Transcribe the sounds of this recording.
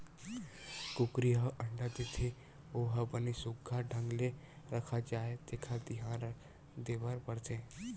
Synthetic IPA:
kʊkɾiɦəʔə̃ɳɖat̪et̪ʰe | oːɦəbənesʊɡʱːaɖʱə̃ŋɡle | ɾəkʰat͡ʃaːɦet̪eːkʰad̪ɪɦãːn | d̪eːbəɾpəɽt̪e

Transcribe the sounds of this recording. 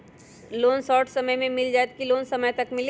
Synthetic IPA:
loːnsɔːʈʰsɐməjmẽmɪld͡ʒaːjt̪̚kiloːnsɐməjt̪ɐkmɪl

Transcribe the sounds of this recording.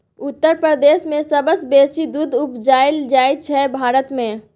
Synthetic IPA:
ʊt̪ːəɾpɾəɾd̪eːʃmẽsɐbəsbeːsid̪uːd̪ʊpd͡ʒaːɪld͡ʒaːɪt͡ʃʰɛbʱaːɾət̪mẽː

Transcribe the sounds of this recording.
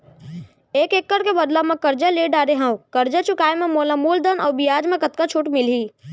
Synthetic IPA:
eːkeːkːəɾkebəd̪lamẽkəɾd͡ʒaleɖaːɾeɦãwkəɾd͡ʒat͡ʃʰʊkaːemẽmoːlãmuːld̪ənɔːbijaːd͡ʒmẽkət̪̚kat͡ʃʰʊʈmɪliː

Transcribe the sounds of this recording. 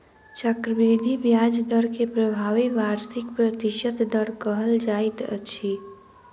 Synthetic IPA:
t͡ʃəkɾəbɾid̪ʱibjad͡ʒd̪əɾkepɾəbʱaʋiʋaɾsikpɾət̪iʃəd̪d̪əɾkəɦəld͡ʒajt̪ə̰t͡ʃʰi

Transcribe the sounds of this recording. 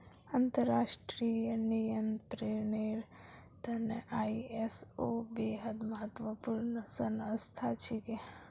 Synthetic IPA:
ɐnt̪əɾaːʃʈɾijənijənt̪ɾeneɾ | d̪ʱɐnəʔaːiesoːbeɦəd̪məɦət̪ʋəpuːɾɳəsɐnɐst̪ʰat͡ʃʰike

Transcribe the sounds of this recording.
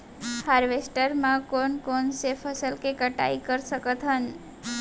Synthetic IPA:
haɾʋesʈəɾmãkonkonsefʰəsəlkekəʈa̰ikəɾsəkət̪ɦən

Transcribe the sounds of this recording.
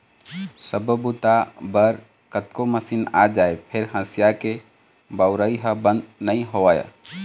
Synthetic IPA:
səbəbut̪abəɾ | kət̪koməsina̰d͡ʒaːepʰɪɾɦə̃sijake | bəʊɾəiɦəbə̃nd̪nəĩɦoʋaja̰

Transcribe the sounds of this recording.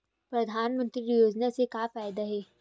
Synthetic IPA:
pɾɐd̪ʱaːnmə̃nt̪ɾiɾijoːd͡ʒnasekaːfaːjd̪aɦɛː

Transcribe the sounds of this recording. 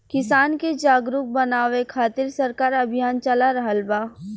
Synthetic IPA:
kɪsaːnked͡ʒaːɡɾuk̚bɐnaːʋekʰaːt̪ɪɾsɐɾkaːɾɐbʱɪjaːnt͡ʃɐlaɾɐɦəlbaː

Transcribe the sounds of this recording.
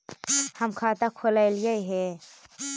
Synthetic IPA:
həmkʰaːt̪akʰolalijaiɦɛ

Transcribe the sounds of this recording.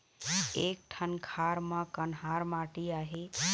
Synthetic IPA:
ek̚ʈʰənkʰaɾmãkənɦaɾmaʈiaːɦe

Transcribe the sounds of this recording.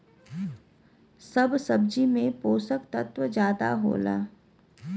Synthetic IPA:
səbsɐbd͡ʒimẽpoːsəkt̪ət̪ʋəd͡ʒjaːd̪a̰ɦo̰ːla̰ː

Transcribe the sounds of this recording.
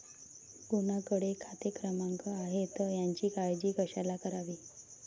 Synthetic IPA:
ɡunakəɽekʰat̪ekɾəmaŋkəaɦet̪əjaɲt͡ɕiːkajd͡ʑiːkəɕalakəɾaʋiː

